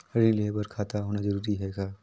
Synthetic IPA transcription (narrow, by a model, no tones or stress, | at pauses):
əɾĩliebɐɾkʰaːt̪aɦoːnad͡ʒəɾuːɾiɦɛkaː